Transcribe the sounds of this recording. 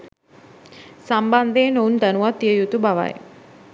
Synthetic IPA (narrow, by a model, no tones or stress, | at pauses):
samband̪eːnound̪anuʋat̪ːiəjut̪ubaʋa̰j